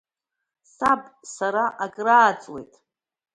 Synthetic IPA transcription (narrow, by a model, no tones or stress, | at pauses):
sabpʼsaɾaʔakʼraːt͡sʼwe̞̰jtʼ